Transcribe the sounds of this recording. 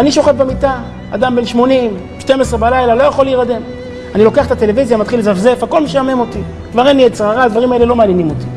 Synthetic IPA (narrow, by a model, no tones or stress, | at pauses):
aniʃo̞χefbemit̪a | a̰d̪ambenʃmo̞nim | ʃte̞mesʁebalajlalo̞jaχo̞liːʁad̪e̞m | anilo̞keaχet̪at̪e̞le̞vizjamat̪χilezafze̞fhako̞lmiʃeamemo̞t̪i | dvaʁenlijet͡sʁaʁaːd̪vaʁimae̞lelo̞maːnjenimo̞t̪i̥